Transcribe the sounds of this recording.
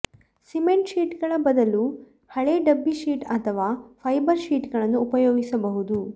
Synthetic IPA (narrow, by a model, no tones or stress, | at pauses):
simeɳʈʃiːʈɡɐɭɐbɐd̪ɐlu | hɐɭeɖɐbːiʃiːʈɐt̪ʰɐʋaːpʰɐjbɐɾʃiːʈɡɐɭɐnːuːpɐjoːɡisɐbɐɦud̪u